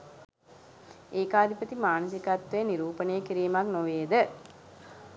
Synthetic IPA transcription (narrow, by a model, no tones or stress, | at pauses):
eːkaːd̪ipət̪imaːnəs̬ikɐt̪ʋeəniɾuːpənejəkiɾijmaknoʋeːəd̪ə